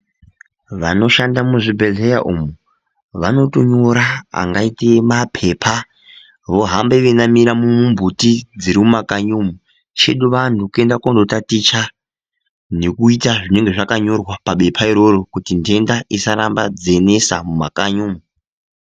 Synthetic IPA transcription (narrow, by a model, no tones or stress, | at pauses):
ʋano̞ʃandamuʐibʱelejaʔumu | ʋano̞to̞ɲoɾaa̰ŋɡaitemapʰe̞ːpʰa | ʋo̞ɦambeʋenamiɾamumumbutid͡ziɾimumakaɲumu | t͡ʃe̞ɗuʋantʰukue̞ndakondo̞tatit͡ʃa | ne̞kuitaʐine̞ŋɡe̞ʐakaɲo̞rwapaɓe̞pʰaiɾo̞ɾo̞kutinde̞ndaisaɾambad͡ze̞ne̞samuma̰kaɲuːmu